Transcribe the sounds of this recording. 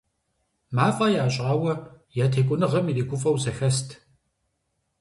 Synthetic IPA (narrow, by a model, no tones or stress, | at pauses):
maːfʼɐjaːɕʼaːwɐ | jatʰeːkʷʼʊnɨʁɐmiliːɡʷʊfʼɐwzɐxɐstʰ